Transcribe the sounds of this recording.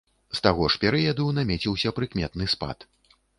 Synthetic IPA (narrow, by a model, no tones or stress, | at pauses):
st̪aɣɔʂpʲɛɾɨjɐd̪unamʲɛt͡sʲiwsʲɐpɾɨkmʲɛt̪nɨspa̰t̪